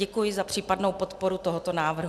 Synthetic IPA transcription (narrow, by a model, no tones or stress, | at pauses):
ɛkujɪzapr̝̥iːpadnowpo̞t̪po̞ɾut̪oɦot̪o̞naːvr̩ɦ